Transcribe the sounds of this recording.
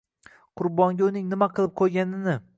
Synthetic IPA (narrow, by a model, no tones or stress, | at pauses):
qʰʊɾbɒŋɡʲʊnɪŋnɪmaqʰɨlˠɪp̚qʰojɡʲanɪnɪ